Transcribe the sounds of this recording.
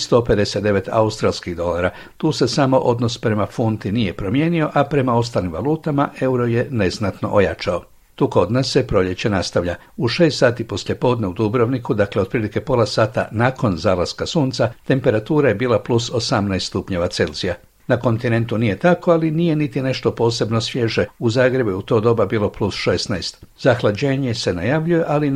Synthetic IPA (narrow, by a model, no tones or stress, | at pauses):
st̪o̞pe̞d̪e̞set̪d̪e̞ʋe̞t̪a̰ust̪ɾalˠskiɣd̪o̞laɾa | t̪uːse̞samo̞ʔo̞d̪nospɾe̞mafunt̪inije̞pɾo̞mje̞ːnio̞ʔapɾe̞mao̞st̪alimʋa̰lˠuːt̪amaʔe̞uɾo̞je̞ne̞znat̪no̞̰ʔojat͡ʃao̞ | t̪uːko̞d̪nasːe̞pɾo̞ʎe̞t͡ɕe̞nast̪aʋʎʲa | uʃe̞ːst̪saːt̪ipo̞slʎʲje̞po̞ːd̪ne̞ud̪ubɾoʋnikud̪akleod̪pɾilike̞po̞lˠasaːt̪a̰naːko̞nzaːlaskasuːnt̪sat̪e̞mpe̞ɾat̪uːɾaje̞biːlˠapluso̞samnajst̪t̪upɲe̞ʋat̪se̞lz̥ija | nako̞nt̪ine̞nt̪unije̞t̪ako̞alinijenit̪ine̞ʃt̪o̞po̞ːse̞bno̞sʋje̞ʒeuzaːɡɾe̞bujeut̪o̞ːd̪o̞babiːlˠo̞plusʃesnajst̪ | zaxlad͡ʑe̞ːɲe̞se̞najaʋʎuje̞ʔali